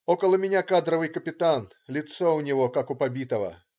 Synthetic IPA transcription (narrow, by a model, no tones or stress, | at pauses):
okəlˠəmʲɪnʲakad̪ɾəvɨjkəpʲɪt̪an | lʲɪt̪soʊnʲɪvo̞kakʊpɐbʲit̪əvə̰